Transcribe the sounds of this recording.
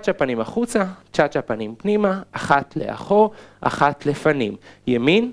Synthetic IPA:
at͡ʃapanimaχut͡sat͡ʃat͡ʃapanimpnimaaχat̪lḛʔa̰χoʁʔa̰χat̪lefanimjemin

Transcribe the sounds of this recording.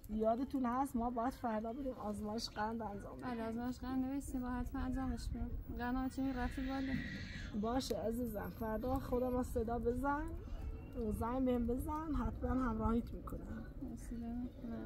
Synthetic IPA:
jɒːd̪et̪ʰunhæst̪mɒːbɒːjæd̪̥fæɾd̪ɒːbed̪iːmʔɒːzmɒːjeʃɡænd̪ænzɒ̰ːmbebleːzmɒːjeʃɡænd̪neveʃt̪imbɑːhæt̪fæænd͡ʒɑːmeʃbeiɡænɑːt͡ʃʰemiɾæfibɒlebɒːʃeæziːzænfæɾd̪ɒːxod̪æmæsed̪ɒːbe̞zæn | zæjbehembe̞zænɦæt̪ʰmænhæmɾɒːhiːt̪ʰmiːkʰonæm | ɾesid̪emikʰonæ

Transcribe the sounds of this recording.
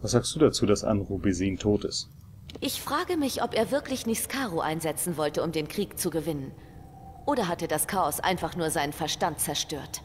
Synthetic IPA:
v̥asz̥aːkstd̥uːdat͡suːdasʔa̰nʁubeziːntʰoːtɪ̰st | ʔɪçfʁ̥aːɡəmɪçʔɔpeːɐvɪɐklɪçnɪskʰaːʁoʔa̰ɪnzɛt͡sn̩vɔltəʊmdeːnkʁ̥iːkt͡suɡəvɪnən | ʔoːɾɐɦatədaskʰaːɔsʔa̰ɪnfaχnuːɐzaɪnənfɛɐʃtant̚t͡sɛɐʃtøːɐt

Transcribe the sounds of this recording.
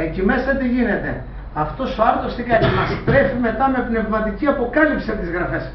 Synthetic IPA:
ecime̞sɐt̪iʝine̞t̪e̞ | ɐft̪o̞soɐɾθost̪ikɐcimɐst̪ɾe̞fime̞t̪ɐme̞pne̞vmɐt̪iciɐpo̞kɐlipsiɐpot̪izɣɾɐfe̞s

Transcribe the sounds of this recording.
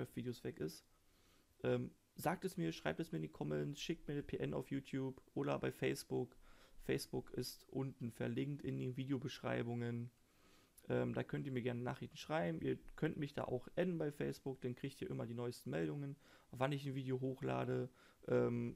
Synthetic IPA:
ɛftviːdeosv̥ɛkɪst | ʔɛːm | zaːk̚tɛsmiːɐʃʁ̥aɪp̚tɛsmiːɪndiːkʰɔmɛnsʃɪk̚t̚miːɐnəpʰeːʔɛnʔa̰ʊfjuːtʰjuːpʔoːɾɐbaɪfɛɪsb̥ʊkfɛɪsb̥ʊkʰɪstʔʊntn̩fɛɐlɪŋktʔɪndeːnviːdejobəʃʁ̥a̰ɪbʊŋən | ʔɛːmd̥aːkʰœntiːɐmiːɐɡɛɐnənaːχʁ̥ɪçtn̩ʃʁ̥aɪbm̩ʔiːɐkʰœntmɪçd̥a̰ːʔa̰ʊxʔɛnənbaɪfɛɪsb̥ʊk̚d̥ankʁ̥iːçtiːɐʔɪmɐdiːnɔʏstn̩mɛldʊŋən | vanɪçn̩viːdeoɦoːxla̰ːdə | ʔɛːm

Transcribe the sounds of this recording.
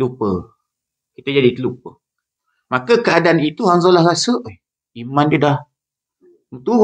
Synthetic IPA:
lupə | kit̪əd͡ʒadit̪əlupə | makəkəadaanit̪uhaŋzolahɾasəʔ | imandudah | mət̪u

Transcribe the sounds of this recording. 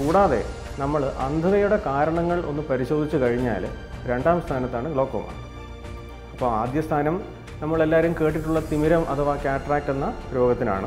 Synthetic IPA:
kuːɽaːðe̞̰ | nɐmːɐɭʔɐnd̪ʱɐðɐjuɽe̞kaːɾɐɳɐŋːɐɭo̞̰nːɨpɐɾiɕo̞ːd̪ʱit͡ɕːukɐɻiɲːa̰ːl | ɾe̞ɳɖaːmst̪ʰaːnɐt̪ːaːɳɨɡɭo̞ːkːo̰mɐ̰r | ɐpːoːaːd̪jɐst̪ʰaːnɐm | nɐmːɐɭe̞lːaːɐɾumke̞ːʈːiʈːuɭːɐt̪imiɾɐmʔɐ̰ðɨʋaːkːaːʈraːk̚ʈːenːɐɾo̞ːɡɐt̪ːina̰ːɳɨ

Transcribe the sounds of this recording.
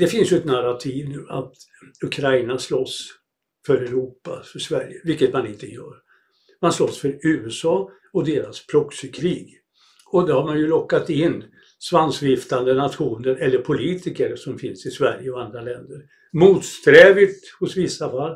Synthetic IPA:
d̪ɛfɪnsjɵɛt̪naɾat̪ʰiːvnʉ̟ːa̰t̪ | ɵkʰɾajnaslɔs | fœɾɛɾuːpa̰fœʂvæɾjəvɪlkːət̪manɪnt̪əjœ̰ːɾ | manslɔsfœɾʉ̟ːɛsɑː | ɔd̪eːɾaspʰɾɔksəkʰɾiːɡ | ɔd̪ɛɾhaɾmanjɵlɔkːat̪ɪnː | svansvɪft̪and̪ənat̪ɧuːnəɾɛlːəɾpʰʊliːt̪ɪkəɾsɔmfɪnsɪsvæɾjəɔand̪ɾalɛnd̪əɾ | muːt̪st̪ɾɛːvɪt̪ | hʊsvɪsːafalː

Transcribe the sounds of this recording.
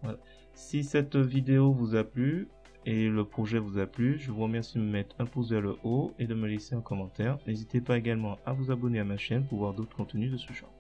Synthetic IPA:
vwala | sisɛt̪vid̪eovuzaply | eləpχɔʒɛvuzaplyʒəvuʁəmɛʁsid̪əəmɛt̪χɛ̃pozealəʔoed̪əməleseɛ̃kɔmɑ̃t̪ɛʁnezit̪epaeɡalmɑ̃avuzabɔneamaʃɛnp̬uʁvwaʁd̪ot̪χə̥kɔ̃t̪ənyd̪əsəʒɑ̰̃

